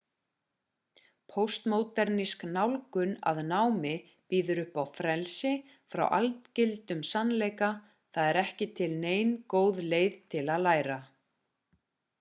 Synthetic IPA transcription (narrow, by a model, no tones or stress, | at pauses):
pʰowst̪moːwt̪ɛɾnisknawlkʏna̰ðnawmɪ | piːðʏɾʏhpawfɾɛlsɪ | fɾa̰wʔa̰lt̪cɪlt̪ʏmsanleːjka | θaðɛɾɛhcɪt̪ʰɪlneːjnkoːwðleːjðt̪ʰɪlaðlaːjɾa